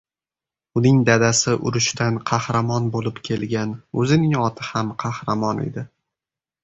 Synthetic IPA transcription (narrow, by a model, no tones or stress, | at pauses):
ʊnɪŋd̪ad̪asɪʔʊ̰ɾʊʃt̪ʰanqʰɑhɾamɒnbolɪpkʲʰe̞lɡʲanɵzɪnɪŋɒt̪ʰɪhamqʰɑhɾamɒne̞̰d̪ɪ